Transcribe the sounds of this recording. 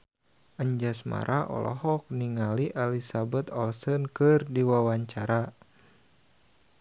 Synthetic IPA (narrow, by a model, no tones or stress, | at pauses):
ʔəɲd͡ʒasma̰ɾʔaʔɔ̰lɔ̰ɦɔk̚niŋaliʔalisabət̪ɔlsənkɨrdiwawaɲt͡ʃaɾa